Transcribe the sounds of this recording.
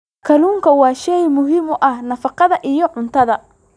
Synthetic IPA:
kʰɐluːŋkʰɐwɑːʃɛjmʊɦɪmʊʔɐhnɐfɑqɑðɐʔijɔʕʊnt̪ʰɐðɐ

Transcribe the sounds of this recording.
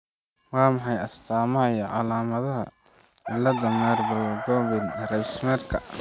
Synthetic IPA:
wɑːmɑħɑjɐst̪ʰaːmɐɐjɐʕɑ̰laːmɐðɐɦɐ | ɪlɐðɐmɛrbʊlɡɔːβɪd̪rɛbsmɛːrkʰɐ

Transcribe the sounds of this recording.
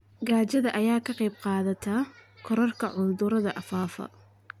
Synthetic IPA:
ɡaːt͡ʃɐðɐʔɐjaːkʰɐqɛjbqɑːðɐt̪ʰɐkʰɔɾɐrkʰɐʕʊd̪ʊɾɐðɐʔɐfaːfɐ̰

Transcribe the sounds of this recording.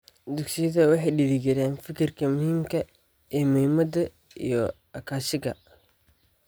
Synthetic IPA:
d̪ʊɡsɪjɐðɐwɑħɑjɖɪðɪɡɪɾaːnfɪkʰɪrkʰɐmʊhiːmkʰɐ | ʔɛːmʊhimɐd̪ɐ | ḭjɞ | ɐkʰaːʃɪɣɐ̰

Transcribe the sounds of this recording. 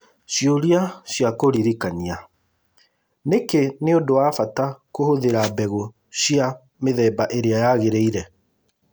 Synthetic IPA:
ɕjoɾiaɕjakoɾiɾikania | nekeneondowafatakohoðeɾabɛɣo | ɕja | meðɛːbaʔeɾeajaɣeɾeiɾɛ

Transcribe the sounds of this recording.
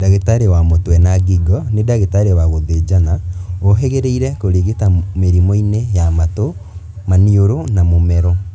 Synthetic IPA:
daɣetaɾewamotwɛnaɡiɡɔnedaɣetaɾewaɣoðed͡ʒanaoɦɛɣeɾeiɾɛkoɾeɣetameɾimɔinejamato | manioɾonamomɛɾɔ

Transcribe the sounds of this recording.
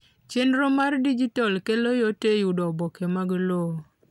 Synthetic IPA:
t͡ʃenɾomardid͡ʒitɔlkelojotejudɔbɔkemaɡlo

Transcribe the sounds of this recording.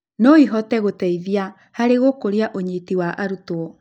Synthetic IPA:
nɔiɦɔtɛɣotɛiðia | haɾeɣokoɾeaʔoɲitiwaʔaɾutoɔ

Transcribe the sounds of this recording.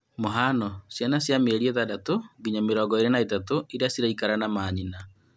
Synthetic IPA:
moɦanɔsjanasjameɾieðadatoɡiɲameɾɔːɡɔeɾenaitatoʔiɾeasiɾaikaɾanamaːɲina

